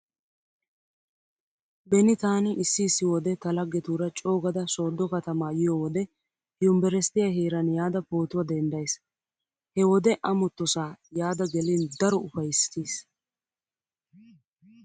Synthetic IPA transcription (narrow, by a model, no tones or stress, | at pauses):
bɛnɪt̪aːnɪʔsːɪːsːɪwɔd̪ɛt̪ɐlɐɡːɛt̪uːɾɐt͡ʃʼo̞ːɡɐd̪ɐso̞ːd̪ːɔkɐt̪ɐmaːjɪjoːwɔd̪ɛ | hɪjʊmbɛɾɛst̪ɪjaɦeːɾɐnjaːd̪ɐpoːt̪ʊwɐd̪ɛnd̪ɐjs | hɛwɔd̪ɛʔɐmɔt̪ːɔsaːjaːd̪ɐɡɛliːnd̪ɐɾɔʊfɐjɪsːɪ̥t̪iːs